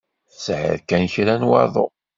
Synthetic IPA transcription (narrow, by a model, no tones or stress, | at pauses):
θsʕə̰ɾkænçɾænwɑ̰ɾðˤo̰